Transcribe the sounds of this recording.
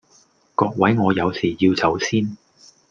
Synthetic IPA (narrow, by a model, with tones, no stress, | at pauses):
kɔː˧k̚wɐ˨˥jŋɔː˨˧jɐ˨˧wsiː˨˩ji˧wt͡sʰɐ˨˥wsiː˥n